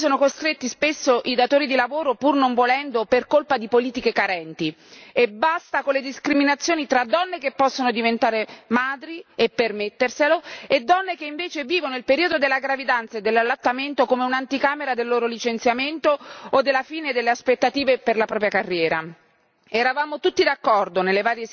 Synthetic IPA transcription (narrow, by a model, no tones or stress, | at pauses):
soːnokost̪ɾet̪ːispesːoʔid̪at̪oːɾid̪ilavoːɾopurnoɱvolɛnd̪operkolpad̪ipoliːt̪ikekaɾɛnt̪i | ebːast̪akolːed̪iskɾiminat̪sːjoːnit̪ɾad̪ɔnːekepːɔsːonod̪ivent̪aːɾemaːd̪ɾiepːermet̪ːerseloed̪ːɔnːekeiɱveːt͡ʃeviːvonoilpeɾiːod̪od̪elːaɡɾavid̪ant̪saed̪ːelːalːat̪ːament̪okomeunant̪ikaːmeɾad̪elːoːɾolit͡ʃent̪sjament̪ood̪ːelːafiːned̪elːeaspet̪ːat̪iːveperlapɾɔːpɾjakarːjɛːɾa̰ | ɛɾavaːmot̪ut̪ːid̪akːɔrd̪onelːevaːɾje